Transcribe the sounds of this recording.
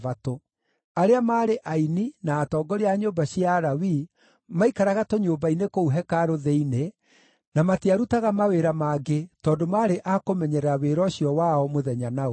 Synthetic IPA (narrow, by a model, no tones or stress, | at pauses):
vato | aɾeamaːɾeʔaininaːtɔːɡɔɾeaɲoːmbaɕjaɾawi | maikaɾaɣatoɲoːbainekouɦɛkaɾoðeine | namateaɾutaɣamaweɾamaːɡetɔːdomaːɾeʔakomɛɲɛɾɛaweɾɔɕjɔwaɔmoðɛɲanao